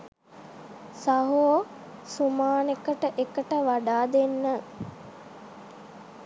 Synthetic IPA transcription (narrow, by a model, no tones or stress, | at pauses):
saɦoo | sumaːnekəʈəʔekəʈəʋaɖaːd̪enːə